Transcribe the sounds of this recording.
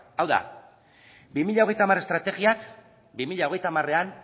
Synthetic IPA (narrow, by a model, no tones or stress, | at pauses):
awða̰ | bimiʎao̞ɣjt̪amaɾe̞st̪ɾat̪e̞ɣiak | bimiʎao̞ɣe̞jt̪amare̞an